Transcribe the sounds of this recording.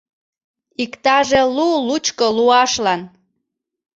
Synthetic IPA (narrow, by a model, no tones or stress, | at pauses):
ikt̪ɑʒelulut͡ɕkoluɑʃlɑn